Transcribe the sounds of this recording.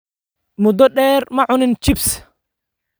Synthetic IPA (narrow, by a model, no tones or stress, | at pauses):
mʊd̪ɔɗɛːɾmɐʕʊnɪnt͡ʃɪbs